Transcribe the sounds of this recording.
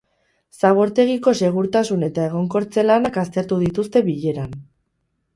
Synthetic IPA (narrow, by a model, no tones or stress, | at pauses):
saɣ̞o̞ɾt̪e̞ɣ̞iko̞se̞ɣ̞uɾt̪asune̞t̪ae̞ɣ̞o̞ŋko̞ɾt͡se̞lanakast̪e̞ɾt̪uðit̪ust̪e̞βiʎe̞ɾan